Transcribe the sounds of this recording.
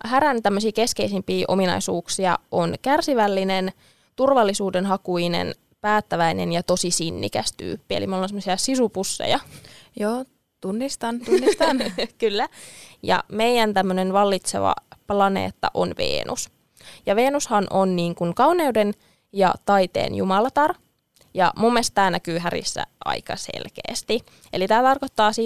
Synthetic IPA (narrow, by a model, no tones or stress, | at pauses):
hæɾænt̪æmːøsiːke̞skeisimpiːʔominɑ̰isuːksiɑ̰ʔonkærsiʋælːinen | t̪urʋɑlːisuːdenɦɑkuine̞̰n | pæːt̪ːæʋæinḛnjɑt̪o̞sisinːḭkæst̪y̰ːpːielḭmolːonsemosiɑsisupusːḛjɑjoː | t̪unːist̪ɑnt̪unːist̪ɑnkylːæjɑ̰meijænt̪æmːønenʋɑlːit̪sḛʋɑ̰plɑnḛːt̪ːɑ̰ʔo̰nʋḛːnʔṵs | jɑʋeːnushɑnʔonniːŋkuŋkɑwneuden | jɑ̰t̪ɑit̪ḛːnjṵmɑlɑt̪ɑr | jɑ̰mumːelst̪t̪æːnækyːɦæɾḭsːæ̰ʔɑ̰ikɑsḛlkḛːst̪i | elit̪æːt̪ɑrkot̪ːɑːsi